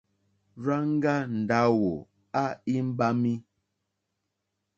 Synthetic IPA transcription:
ɾa˦ŋ˦ɡa˦n̩˨da˦wo˨ | a˦i˦m̩˦ba˦mi˦

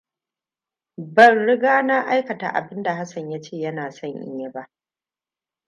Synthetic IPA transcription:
bɐ˨nɽɪ˦ɡaː˦na˦ʔa˦jkɐ˨ta̰˨ʔa̰˨bɪ˦nda˨ɦa˦sɐ˨ɲja˦t͡ʃeː˦˨jɐ˦naː˨sɐ˦˨ɲʔɪ̰˨˦ɲja˦ba˦ʔ

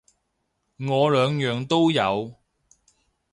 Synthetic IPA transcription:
ŋɔː˨˧lœː˨˧ŋjœː˨ŋt̪o˥wjɐ˨˧w

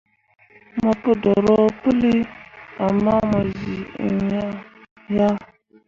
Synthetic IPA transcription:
ma˨pɨ˦dɔ˨ɾɔ˦pɨ˦li˦a˨ma˦ma˨zi˨ḭ˨ja˦ | ja˦

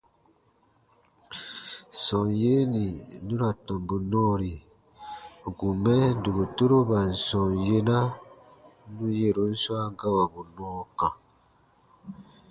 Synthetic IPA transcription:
sɔ̃˨nje˦ni˨nũ˦ɾa˨tɔ̃˨mbu˨nɔ̃˦ɾi˨ | ɡu˨mɛ˦du˨ɡo˨tu˦ɾo˦ba˨n̩˨sɔ̃˨nje˦na˦ | nũ˦je˦˨ɾo˨˦n̩˦swa˦ɡa˦wa˨bu˨nɔ̃ː˦kã˨

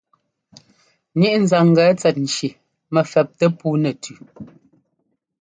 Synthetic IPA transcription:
ɲi˦ʔn̩˨za˨ŋ̩˨ɡɛː˨˦t͡sɛ˨t̚n̩˨t͡ʃi˨ | mɛ˨fɛ˨p̚tɛ˦puː˦nɛ˨tʰʉ˨

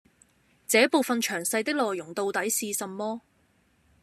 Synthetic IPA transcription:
t͡sɛː˨˥po˨wfɐ˨nt͡ʃʰœː˨˩ŋsɐ˧jt̪ɪ˥k̚lɔː˨jːʊ˨˩ŋt̪o˧wt̪ɐ˨˥jsiː˧sɐ˨mːɔː˥

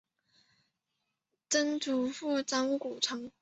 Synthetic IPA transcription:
t͡sə˥nt͡su˧˥fu˥˩t͡sɑ˥ŋku˨˩ʈ͡ʂʰɤ˧˥ŋ

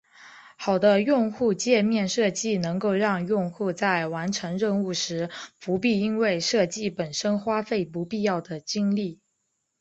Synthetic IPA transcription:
xɑ˨˩ʊd̪ə˦jʊ˥˧ŋxu˥˧t͡ɕjɛ˥˧mjɛ˥˧nʂɤ˥˧t͡ɕi˥˩nɤ˧˥ŋko˥˧ʊɻɑ˥˧ŋjʊ˥˧ŋxu˥˧t͡sa˥˩ɪwa˧˥nʈ͡ʂʰɤ˧˥ŋɻə˥˧nu˥˩ʂɻ̩˧˥pu˧˥p̬i˥˩i˥nwe˥˧ɪʂɤ˥˧t͡ɕi˥˩pə˨˩nʂə˥nxwa˥fe˥˩ɪpu˧˥pi˥˧jɑ˥˩ʊd̪ə˩t͡ɕi˥ŋli˥˩

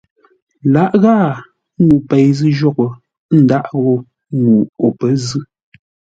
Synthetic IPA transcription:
la˨˦ʔɣaː˦˨˦ | ŋu˨pɛ˨jzɨ˦ʒɔ˦ko˨ | n̩˨da˦ʔɣɔ˦ | ŋu˨o˨pə˦zɨ˦

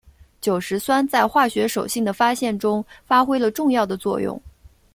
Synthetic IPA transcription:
t͡ɕjo˨˩ʊʂɻ̩˧˥swa˥nt͡sa˥˧ɪxwa˥˩ɕɥɛ˧˥ʂo˨˩ʊɕi˥˩ŋd̪ə˩fa˥ɕjɛ˥˩nʈ͡ʂʊ˥ŋfa˥xwe˥ɪlə˨ʈ͡ʂʊ˥˧ŋjɑ˥˩ʊd̪ə˩t͡swɔ̰˥˧jʊ̰˥˩ŋ

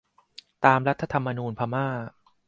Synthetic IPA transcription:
t̪aː˧mɾa˦˥t̪ʰːa˧t̪ʰa˧mːa˧nuː˧npʰaː˧maː˥˩

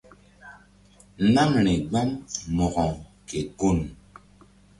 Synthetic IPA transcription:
na˦mɾe˨ɡ͡ba˦mmɔ˨ɣɔ˨ŋke˨ko˦˨n

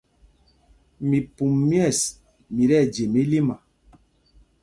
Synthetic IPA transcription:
mi˨pu˨mː˦ɛ˦˨s | mi˨ɾɛ˦˨d͡ʒe˨mi˦li˦ma˨

